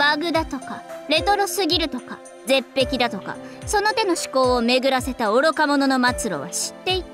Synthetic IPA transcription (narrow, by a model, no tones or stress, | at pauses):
baɡɯ̟d̪at̪o̞kaɾe̞t̪o̞ɾo̞sɨɡʲiɾɯ̟t̪o̞ka | d͡ze̞pːe̞kʲid̪at̪o̞ka̰so̞no̞t̪e̞no̞ɕi̥ko̞ːome̞ɡɯ̟ɾase̞t̪aoɾokamo̞no̞no̞mat͡sɨɾo̞̰βa̰ɕi̥t̪ːe̞it̪